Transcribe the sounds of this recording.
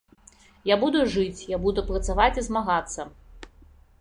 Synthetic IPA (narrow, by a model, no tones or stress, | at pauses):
jabud̪uʐɨt͡sʲjabud̪upɾɐt̪savat͡sʲizmaɣat̪sːɐ